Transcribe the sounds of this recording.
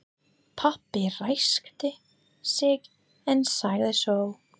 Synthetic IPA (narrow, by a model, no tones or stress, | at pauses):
pʰapːɪrajskt̪ɪ | sɪk | ɛnsaːjðɪsow